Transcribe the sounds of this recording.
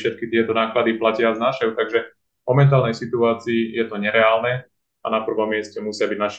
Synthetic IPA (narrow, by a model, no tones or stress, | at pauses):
ʃɛt̪̚kit̪ɪɛt̪ɔnaːklad̪iplacɪaznaʃɛʊt̪aɡʒɛ | vmɔmɛnt̪̬aːlnɛjsit̪uaːt͡siːjɛt̪ɔɲɛɾɛaːlnɛ | anapr̩ʋɔmːɪɛscɛmusɪabiɟnaʃ